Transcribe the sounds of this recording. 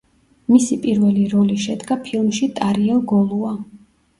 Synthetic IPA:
misipʼiɾvɛliɾɔliʃɛd̪ɡapʰilˠmʃit̪ʼaɾiɛlˠɡɔlˠua

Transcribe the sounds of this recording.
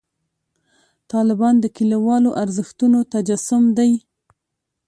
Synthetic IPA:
t̪ɑlɪbɑnd̪əkilawɑloʔaɾzəxt̪unot̪ad͡ʒasʊmd̪aj

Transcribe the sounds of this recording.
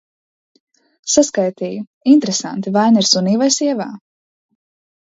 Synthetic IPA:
saskajt̪iːju | int̪ɾesa̰nt̪ivajniɾsuniːvajsiɛva̰ː

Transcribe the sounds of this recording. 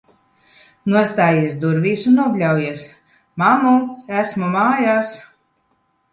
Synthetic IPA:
nuɔst̪aːjiɛsd̪uɾvʲiːsunːuɔblʲawjiɛs | mamuæsmumaːjaːs

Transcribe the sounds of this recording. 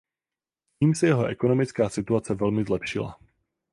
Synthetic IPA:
ciːmsɛjɛɦo̞ʔɛko̞no̞mɪt͡skaːsɪt̪uat͡sɛvɛlmɪzlɛpʃɪla̰

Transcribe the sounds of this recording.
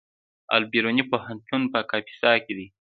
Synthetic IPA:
a̰lbiɾonipohant̪unpəkɑpi̥sɑked̪i

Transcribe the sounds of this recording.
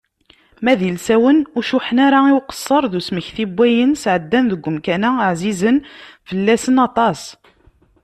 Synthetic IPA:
mæðilsæwənʊʃuħənaɾaiwqə̥sˤːəɾˤðusməçθibːæjənsʕəd̪ːænðəɡʷːəmkænæʕzizənfəlːæsənɑt̪ˤɑs

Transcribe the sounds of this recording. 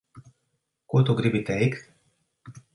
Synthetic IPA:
kut̪oɡɾibit̪ɛik̪

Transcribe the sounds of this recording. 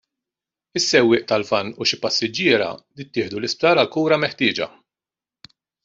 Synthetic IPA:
ɪsːɛwːɪːʔt̪ɐlfɐnːʊʃɪpɐsːɪd͡ʒːɪːɾɐ̰d̪ɪt̪ːɪːħd̪ulɪsp̚t̪ɐːɾɐlkuːɾɐmɛħt̪ɪːd͡ʒɐ̰

